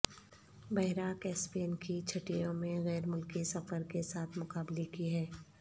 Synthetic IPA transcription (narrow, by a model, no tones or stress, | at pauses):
bɐɦɾaːkɛːsbiənkit͡ʃʰɐʈijõmẽɣɛːɾmʊlkisɐfəɾkesaːt̪ʰmʊkaːblikiɦɛː